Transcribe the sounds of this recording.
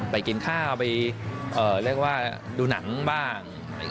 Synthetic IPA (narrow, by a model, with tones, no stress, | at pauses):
pa˧jki˧nkʰaː˥˩a˧pa˧jʔɤː˨˩ɾɯ˥˩ək̚waː˥˩duː˧na̰˩˦ŋbaː˥˩ŋ